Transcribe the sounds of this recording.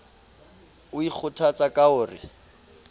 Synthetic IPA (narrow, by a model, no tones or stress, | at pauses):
ʊik͡xʰʊtʰat͡sʼakaʊːrɪ̰